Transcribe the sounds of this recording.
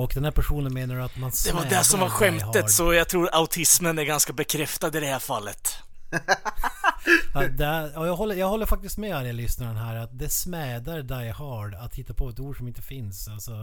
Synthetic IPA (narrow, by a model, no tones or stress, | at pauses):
ɔkd̪ɛnhæːɾpʰæʂuːnənmeːnaɖat̪mansd̪ɛvad̪ɛʂɔmvaɾɧɛmt̪əsɔjɑːɡt̪ʰɾuːɾaʊt̪ʰɪsmənæɾɡanskabɛkʰɾɛft̪ad̪ɪd̪ɛhæɾfalːət̪ | at̪̚d̪ɛæjɑːjɑːɡɦɔlːəjɑːɡhɔlːəɾfak̚t̪ɪst̪mɛaɾjɛlʏsnaɾənɦæːɾat̪̚d̪ɛsmɛːd̪aɾd̪ajhɑːɖat̪hɪt̪ːapʰɔɛt̪uːɖʂɔmɪnt̪əfɪnsalsɔ